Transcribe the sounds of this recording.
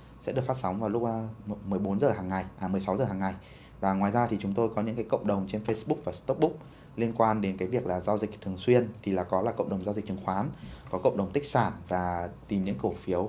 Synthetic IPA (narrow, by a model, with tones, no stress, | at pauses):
sɛ̰˧˥ɨ˨˩ək̚faː˦˥t̚sa˨˦ŋ͡mvaː˨˩wlʊ˦˥k͡p̚a˧mɨ˨˩əjɓo˨˦nzəː˨˩ɦaː˨˩ŋːa˨˩jʔaː˨˩mɨ˨˩əjsa˨˦wzəː˨˩ɦaː˨˩ŋːa˨˩j | vaː˨˩ŋwaː˨˩jzaː˧t̪ʰi˨˩t͡ɕʊ˨˦ŋ͡mt̪o˧jkɔ˨˦ɲɨ̰˧˥ŋkaː˨˦jkə̰˧˨wŋ͡mɗə˨˩wŋ͡mt͡ɕe˧nfə˧sɓʊ˦˥k̚vaː˨˩st̪k͡p̚ɓʊ˦˥k͡p̚ | li˧ənkwaː˧nɗe˨˦nkaː˨˦jvi˨˩ək̚laː˨˩zaː˧wzï˨˩k̟̚t̪ʰəŋswi˧ənt̪ʰi˨˩laː˨˩kɔ˨˦laː˨˩kə̰˧˨wŋ͡mɗə˨˩wŋ͡mzaː˧wzï˨˩k̚t͡ɕɨ˨ə˦ŋxwaː˨˦nkɔ˨˦kə̰˧˨ŋ͡mɗə˨˩wŋ͡mt̪ï˦˥k̚saː˧˩nvaː˨˩t̪i˨˩mɲɨ̰˧˥ŋkə˧˩fi˨˦ə˦w